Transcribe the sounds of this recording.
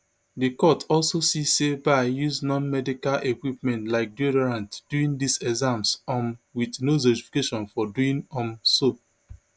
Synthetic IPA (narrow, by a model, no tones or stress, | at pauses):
dikɔtʰɔlsosisebajuznɔ̃nmɛdikalʔekwipmɛ̃ntlaɪk̚dodɛɹãntd̥uĩŋdisɛzãmsɔ̃mwidnozotifi̥keʃɔ̃nfɔduĩŋɔ̃mso